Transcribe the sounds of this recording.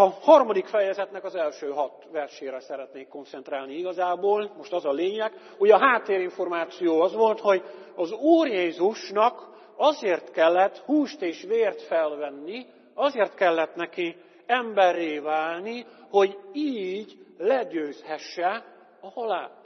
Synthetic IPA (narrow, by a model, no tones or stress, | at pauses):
ɒhɒrmɒd̪ikfɛjɛzɛt̪nɛkɒzɛlʃøːɦɒt̪ʋɛrʃeːɾɛsɛɾɛt̪neːkːo̞nt̪sɛnt̪ɾaːlniiɡɒzaːboːlmo̞ʃt̪ɒzɒleːɲɛɡ | uɟɒɦaːt̪ːeːɾiɱfo̞rmaːt̪sijoːɒzʋo̞lt̪ho̞ɟɒzuːɾjenzuʃnɒk | ɒzeːrt̪kɛlːɛt̪huːʃt̪eːʃʋeːrt̪fɛlvɛnːi | ɒzeːrt̪kɛlːɛt̪nɛki | ɛmbɛrːeːvaːlniho̞ɟiːɟlɛɟøːshɛʃːɛ | ɒhɒlaːt̪